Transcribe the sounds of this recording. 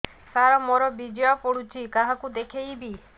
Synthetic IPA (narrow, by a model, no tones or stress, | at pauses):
saɾɔmoɾɔbid͡ʒeɔpɔɽut͡ʃʰikaɦãkud̪ekʰejbi